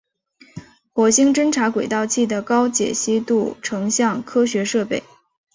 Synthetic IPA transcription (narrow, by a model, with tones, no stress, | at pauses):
xwɔ˧˥ɕi˥ŋʈ͡ʂə˥nʈ͡ʂʰa˧˥kwe˨˩ɪt̪ɑ˥˧ʊt͡ɕʰi˥˩d̪ə˩kɑ˥ʊt͡ɕjɛ̰˨˩ɕi˥t̪u˥˩ʈ͡ʂʰɤ˧˥ŋɕjɑ˥˩ŋkʰɤ˥ɕɥɛ˧˥ʂɤ˥˧pe˥˩ɪ